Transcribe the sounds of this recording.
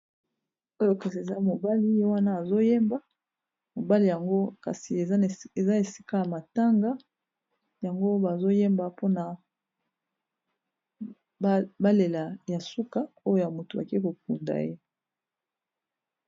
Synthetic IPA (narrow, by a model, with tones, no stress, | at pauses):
o˦jo˦ka˨si˨e˨za˦mo˨ba˦li˦je˦wa˦naː˦˨zo˦je˦mba˦ | mo˨ba˦li˨ja˨ŋɡo˦ka̰˨si˨e˨za˦˨e˨za˦e˨si̥˦ka˦ja˨ma˨ta˦ŋɡa˦ | ja˨ŋɡo˦ba˨zo˦je˦mba˨po˦na˨ | ba˦le˨la˨ja˨su˦ka˦o˦jo˦˨ja˨mo˨to˨a˨ke˦ko˨k̚u˨nda̰˨je˦